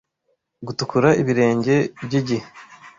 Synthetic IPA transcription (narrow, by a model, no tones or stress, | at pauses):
ɡutukuɾaiβiɾe̞ːɲɟe̞bɟiɟihe